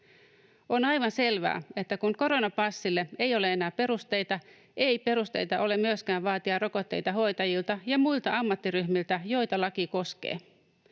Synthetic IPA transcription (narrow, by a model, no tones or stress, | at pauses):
onɑjʋɑnse̞lʋæ̰ːe̞t̪ːækuŋko̞ɾo̞nɑpɑsːilːe̞e̞jo̞le̞enæːpe̞ɾust̪e̞jt̪ɑ | ʔe̞jpe̞ɾust̪e̞̰jt̪ɑʔo̞le̞mmyøskæːʋʋɑːt̪iɑro̞ko̞t̪ːe̞̰jt̪ɑɦo̞jt̪ɑjilt̪ɑjɑmuilt̪ɑɑmːɑt̪ːiryhmilt̪æjo̞jt̪ɑlɑkiko̞skḛː